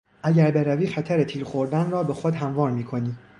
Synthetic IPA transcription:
ʔæɟæɾbe̞ɾæviːxæt̪ʰæɾet̪ʰiːɾxo̞ɾd̪ænrɒːbexod̪ɦæmvɒːɾmiːkʰo̞niː

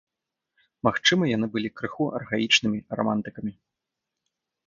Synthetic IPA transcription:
maxt͡ʂɨmɐjanɨbɨlʲikɾɨxuʔɐ̰rɣait͡ʂnɨmʲirɔ̰mant̪ɨkɐmʲi

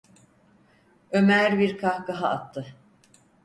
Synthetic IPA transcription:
ømæɾbiɾkʰahkaɦaːt̪ʰːɯ

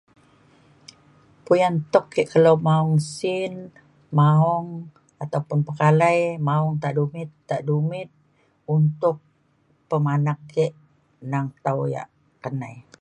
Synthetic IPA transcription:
pujant̪ɔkːeʔkəlowmaɔŋsin | maɔŋ | at̪aupʊnpəkalajmaɔŋt̪aʔdumɪt̪ːaʔdumɪt̪̚ | unt̪ʊk̚ | pəmanakʰːeʔ | naŋt̪awja̰ʔ | kənaj

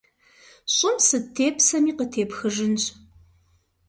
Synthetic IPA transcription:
ɕʼɪmsɨtʰeːpʰsɐmiːqətʰeːpxɨʒɨnɕʼ

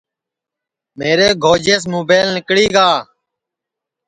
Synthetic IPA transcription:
meːɾeːɡʱoːd͡ʒeːs̬moːbeːlnɪkɽiːɡaː

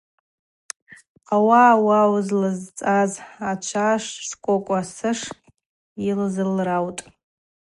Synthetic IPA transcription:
qʼawaːwawzlɨzt͡sʼazat͡ʃʷʰaʂskʷʼokʷʼasɨʂ | ilzɨlrawtʼ

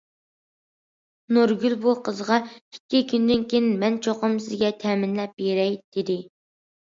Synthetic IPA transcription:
nuɾɡʲylbuqʰəzʁɑi̥kʲːikʲʰynd̪ɪnkʲʰenmɛnt͡ʃʰoqəmsɪzɡʲɛt̪ʰɛmɪnlɛp̚jeɾɛjd̪̥ɪd̪ɪ

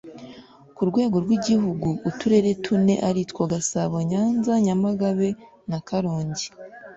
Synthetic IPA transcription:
kuɾɡwe̞ːɡo̞ɾɡwiɟiɦuɡuːtuɾe̞ɾe̞tʰune̞̰ʔaɾitkoɡasaβoɲaːnzaɲamaɡaβe̞ | nakaɾoːɲɟi̥

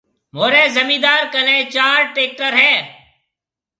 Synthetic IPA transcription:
moːɾẽːzəmĩːd̪aːɾkəlẽːt͡ʃaːɾʈeːk̚ʈəɾɦɛ̃ː

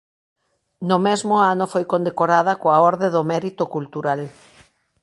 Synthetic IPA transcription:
nʊmɛzmoanofojkond̪ekoɾaðakoaɔɾðeðomɛɾit̪ʊkult̪uɾal

